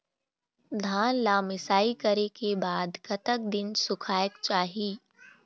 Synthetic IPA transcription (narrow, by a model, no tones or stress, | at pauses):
d̪ʱaːnlaːmɪsaːikəɾekebaːd̪kɐt̪ək̚d̪ɪnsʊkʰaːjəkt͡ʃaːɦiː